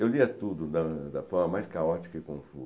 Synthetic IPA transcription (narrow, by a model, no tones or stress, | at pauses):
ewliɐt̪ud̪ʊd̪ɐd̪ɐfɔɾmɐmajskaɔt͡ʃi̥kɐɪkõfṵ